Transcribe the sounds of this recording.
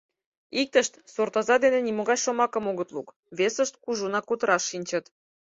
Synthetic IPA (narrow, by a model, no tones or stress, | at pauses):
ik̚t̪ə̆ʃt̪sort̪ɑzɑd̪enenʲimoɣɑjʃŏmɑkɤ̆moɣə̆t̪lˠuk | βesə̆ʃt̪̚kuʒunɑkut̪ɾɑʃːinʲt͡ɕə̆t̪